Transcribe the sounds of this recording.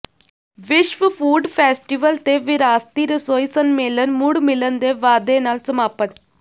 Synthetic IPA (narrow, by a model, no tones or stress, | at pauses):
ʋɪʃʋəpʰuːɖpʰɛːsʈiʋəlt̪eːʋɪɾaːst̪iːɾɪsoːisənmeːlənmʊɽmɪlənd̪eːʋaːd̪eːnaːlsəmaːpət̪